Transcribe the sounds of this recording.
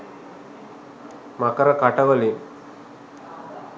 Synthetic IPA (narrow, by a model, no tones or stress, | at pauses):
makɐɾɐkaʈɐʋɐli